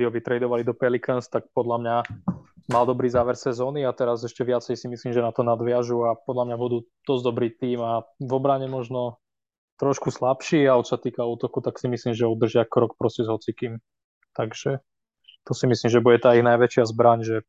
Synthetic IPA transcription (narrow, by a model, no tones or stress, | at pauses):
d̪iɦɔʋit̪ɾɛjd̪ɔʋalid̪ɔpɛlikənst̪ak̚pɔd̪lamɲa | mald̪ɔbɾiːzaːʋɛɾsɛzɔːniat̪ɛɾazɛʃcɛʋɪat͡sɛjsimisliːmʒɛnat̪ɔnad̪ʋɪaʒuapɔd̪lamɲabud̪uː | d̪̥ɔzd̪ɔbɾiːt̪iːmavɔbɾaɲɛmɔʒnɔ | t̪ɾɔʃkuslapʃiːaɔt͡ʃsat̪iːkauːt̪ɔkut̪aksimisliːmʒɛud̪r̩ʒɪakɾɔk̚pɾɔsɛzɦɔt͡sikiːm | t̪aɡʒ̥ɛ | t̪ɔsimisliːmʒɛbuɟɛt̪aːiɣnajʋɛt͡ʃɪazbɾaɲʒɛ